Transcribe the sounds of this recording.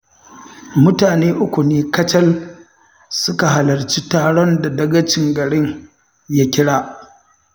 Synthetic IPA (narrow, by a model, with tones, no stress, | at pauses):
mʊ˦taː˨neː˦ʔʊ˦kʷu˨neː˦kɐ˦t͡ʃɐ˦l | sʊ˦ka˨ɦa˨lɐ˨rt͡ʃi˦taː˨ɽɔ˦nda˨dɐ˦ɡɐ˦t͡ʃɪ˨ŋɡɐ˨ɽɪ˦ŋ | ja˦kʲɪ˦ɽaː˦